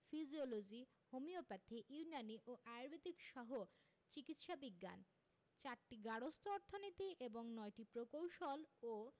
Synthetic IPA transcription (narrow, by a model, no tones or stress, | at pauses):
fid͡ʑiolod͡ʑi | homiopat̪ʰːiʔiunaniʔoʔajɾbʱet̪ikʃɔɦo | t͡ɕikit̪ʃabiɡːa̰n | t͡ɕaɾʈiɡaɽost̪ʰoɔɾt̪ʰːonit̪iʔeboŋnɔjʈipɾokowʃolo